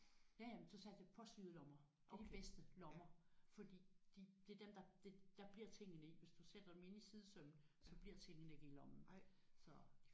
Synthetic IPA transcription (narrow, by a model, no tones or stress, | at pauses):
jæjæmənsɒ̽sʰæ̥epʰɒ̽syðˠlɒ̽mɐ | d̥edib̥esd̥əlɒmɐfɒ̽d̥ḭːd̥id̥e̝ɐd̥emd̥ɑ̈d̥ed̥ɑ̈b̥liɐt͡sʰeŋ̰ənəiʋe̝sd̥used̥ɐd̥eme̝nisið̞ˠəsœmn̩sɒ̽b̥liɐt͡sʰe̝ŋ̰ənəeɡ̥e̝̰ːlɒ̽mn̩sɒ̽